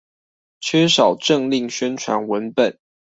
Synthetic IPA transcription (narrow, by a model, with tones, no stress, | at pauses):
t͡ɕʰɥɛ˥ʂɑ˨˩ʊʈ͡ʂə˥˨ŋli˥˨ŋɕɛ˥˦nʈ͡ʂʰwa̰˧˥nwə˨˦npə˨˩˦n